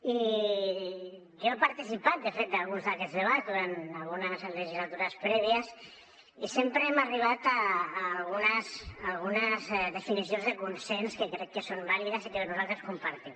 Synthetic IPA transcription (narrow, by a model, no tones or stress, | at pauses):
i | ʒoepaɾt̪isipat̪̚d̪əfet̪̚d̪alˠɣunzðəkɛzðeβ̞ad̪uɾanalˠɣunəzleʒizlat̪uɾəspɾɛβiəs | isempɾəemariβ̞at̪aːlˠɣunəzːlˠɣunəzðefinisionzðekunsɛnskəkɾɛkːəsombaliðəsikenuzalˠt̪ɾəskumpaɾt̪i